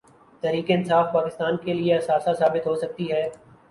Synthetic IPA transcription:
t̪ɛːɾiːkeɪnsaːfpaːkɪst̪aːnkelieɐsaːsasaːbɪt̪ɦosɐk̚t̪iɦɛː

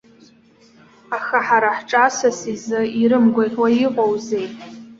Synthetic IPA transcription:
axaħaɾaħʈ͡ʂʼasasizɨiɾɨmɡʷaħwajiqʼowze̞jtʼ

